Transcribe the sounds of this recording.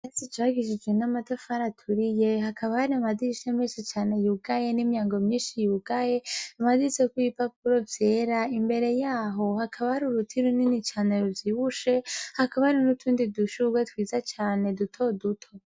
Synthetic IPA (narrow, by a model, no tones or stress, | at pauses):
esit͡ʃwaɡiʃid͡ʒɡwenamatofaɾatʰuɾijeɦakʰaβahaɾiamadiʃemiʃit͡ʃaːne̞juɡaje̞nimjaːŋɡo̞mɲiːnʃijuɡaje̞amadisekuipap̚uɾo̞vje̞ːɾaimbe̞ɾe̞jaːɦo̞hakʰaβahaɾuɾutʰiɾuninit͡ʃaːneɾuvjiβuʃe̞hakaβahaɾinutʰuːndiduʃuɡwetwiːzat͡ʃaːne̞dutʰo̞dutʰo̞